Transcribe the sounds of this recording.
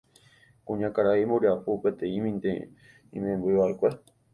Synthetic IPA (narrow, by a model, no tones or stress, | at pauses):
kũɲãkaɾaimoɾiapupet̪ẽĩmĩnt̪e | ḭ̃mẽmbuiβaekʷe